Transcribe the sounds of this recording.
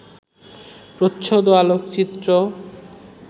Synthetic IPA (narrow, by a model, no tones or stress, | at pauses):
pɾotːʃʰod̪oalokt͡ɕit̪ːɾo